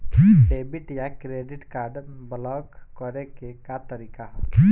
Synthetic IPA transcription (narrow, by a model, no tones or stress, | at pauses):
kiebiʈjakɾeɖɪʈkaːɾɖblɔɡkɔɾekekat̪əɾikaɦ